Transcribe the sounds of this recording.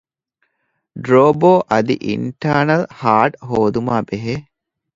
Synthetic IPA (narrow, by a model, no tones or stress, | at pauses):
ɖɾoːboːʔɐd̪ḭʔḭɳʈaːnɐlhaːʈɦoːd̪umaːbeɦe